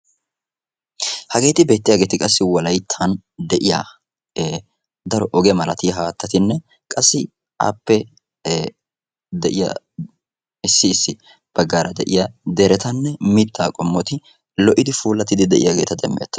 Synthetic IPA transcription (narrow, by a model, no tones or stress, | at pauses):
hɐɡe̞ːt̪ɪbe̞ːt̪ːɪjaːɡe̞ːt̪ɪkʼɐsːɪwɔlɐjt̪ʰːɐn | d̪ɛʔɪja̰ː | d̪ɐɾɔʔɔɡɛmɐlɐt̪ɪjɐɦaːt̪ːɐt̪ɪnːɛ | kʼɐsːɪ | ʔa̰ːpːɛ | d̪ɛʔɪjɐ̰ | ɪsːɪːsːɪ | b̥ɐɡːaːɾɐd̪ɛʔɪjad̪ɛɾɛt̪ɐnːɛmɪt̪ːaːkʼɔmːɔt̪ɪ | lɔʔɪd̪ɪfuːlːɐt̪ːɪd̪ɪd̪ɛʔɪ̰jaːɡe̞ːt̪ɐd̪ɛmːḛːt̪ːɐ